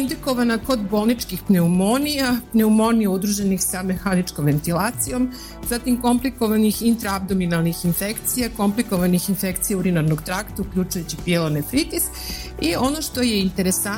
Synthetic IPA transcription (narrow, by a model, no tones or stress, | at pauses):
ind̪eko̞ʋanako̞d̪bo̞ːlˠnit͡ʃkixpne̞umo̞nijapne̞umo̞nijaud̪ɾuʒenixsame̞xanit͡ʃko̞mʋe̞nt̪ilaːt̪sijo̞m | z̥at̪imko̞mpliko̞ʋanixint̪ɾaab̚d̪o̞minalˠnixinfekt̪sijako̞mpliko̞ʋanixinfe̞kt̪sijauɾinaɾno̞ɡt̪ɾakt̪aukʎʲut͡ʃujut͡ɕipjelonepɾit̪is | io̞no̞ʃt̪o̞je̞int̪e̞ɾesa